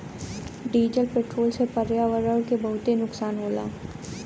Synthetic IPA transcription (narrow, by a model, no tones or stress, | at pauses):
ɖiːd͡ʒd͡ʒəlpeːʈɾoːlsepɐɾjaʋəɾəːɾkebɐɦʊt̪enʊksaːnɦoːla̰ː